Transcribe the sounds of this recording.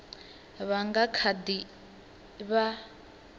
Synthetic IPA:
βaŋɡakʰadi | βa

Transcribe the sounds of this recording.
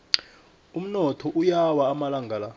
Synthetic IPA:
um̩nɔtʰɔʔujawaːmalaŋɡʱala

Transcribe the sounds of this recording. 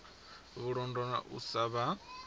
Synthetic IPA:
βuɺɔndɔna̰ʔṵsaβa

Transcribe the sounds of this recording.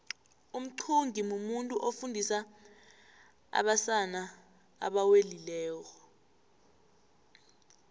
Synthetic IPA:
um̩ǀʰuŋʱimumuntʼuʔofundʱisa | a̰ɓasana | a̰ɓawelilɛːk̬ɔ

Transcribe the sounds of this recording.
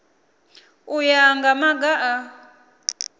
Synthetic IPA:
ujaŋɡamaɡaʔa

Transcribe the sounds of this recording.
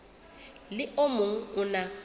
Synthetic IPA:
lɪʔomʊŋ̩ʊna

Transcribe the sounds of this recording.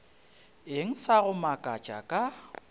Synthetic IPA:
eŋ̩saɣʊmakʼat͡ʃʼakʼa

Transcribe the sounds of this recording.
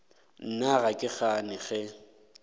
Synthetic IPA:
n̩naɣakʼɪχanɪχɛ

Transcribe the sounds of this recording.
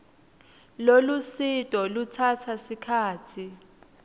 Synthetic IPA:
lolusitʼɔlutʰatʰasikʰaːtʰi

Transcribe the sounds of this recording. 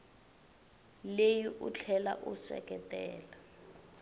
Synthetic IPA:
lejiʔut͡ɬʰɛla̰ʔusɛ̰kɛtɛːla

